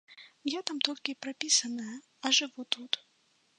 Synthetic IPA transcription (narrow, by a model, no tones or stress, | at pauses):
jat̪amt̪ɔlʲkʲipɾapʲisɐnɐjɐ | ɐʐɨvut̪ut̪